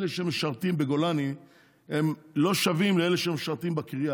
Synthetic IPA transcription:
leʃeemeʃaʁt̪imbeɡo̞lani | emlo̞ʃavimleeleʃeemeʃaʁt̪imbakʁia

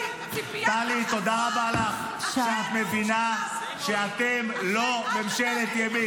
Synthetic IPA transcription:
t̪alit̪o̞d̪ahabeːlaχ | ʃeat̪me̞vina | ʃeat̪emlo̞memʃelet̪jemi

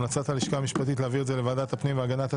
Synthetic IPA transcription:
nat͡sat̪haliʃkaːmiʃpat̪̬it̪̬leaviʁtzelevaːdat̪hapnimvaɡanat̪ha

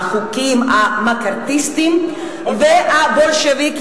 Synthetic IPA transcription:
χukimamakaɾt̪ist̪im | veabolʃevik

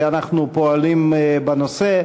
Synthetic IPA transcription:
anaχnupoalimbanose

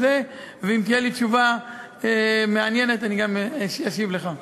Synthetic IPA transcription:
zeveimt̪ijelit͡ʃuva | emeanje̞net̪aniɡamjaʃivleχa

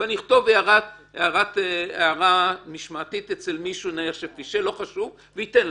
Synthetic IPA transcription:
aniiχt̪o̞veaʁat | eaʁat̪eaʁamiʃmat̪it̪et͡selmiʃunaeχʃefiʃelo̞χaʃuv | veit̪en

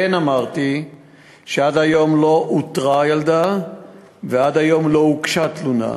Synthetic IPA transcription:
enamaʁt̪i | ʃead̪ajo̞mlo̞ʔut̪ʁajald̪a | vead̪ajo̞mlo̞ukʃat̪luna̰

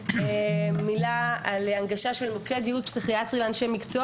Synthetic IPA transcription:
milaalaŋɡaʃaʃelmokead̪jiut̪̚psiχiatʁileanʃemikt͡so

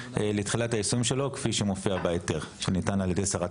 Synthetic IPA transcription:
ʔeletχilataisuimʃelo̞kfiʃemofiabaeteʁʃenitanaljede̞jsaʁa

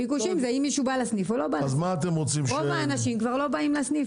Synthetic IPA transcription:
pikuʃimzeimːiʃubalasnifolo̞baazmaːt̪emʁot͡simʃʁovaːnaʃimkvaʁlo̞baimlasnif

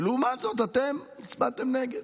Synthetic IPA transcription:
luumat̪zot̪̬at̪emit͡sbat̪emneɡed̪

